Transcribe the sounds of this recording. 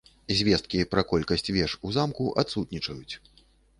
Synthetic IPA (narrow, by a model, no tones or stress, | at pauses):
zʲvʲɛst̪̚kʲipɾɐkɔlʲkɐsʲt͡sʲvʲɛʂuzamkuʔat̪sut̪nʲit͡ʂɐjut͡sʲ